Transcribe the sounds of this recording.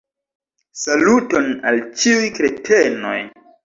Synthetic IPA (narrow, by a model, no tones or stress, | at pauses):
salutona̰lt͡ʃiujkɾetʰeno̞̰j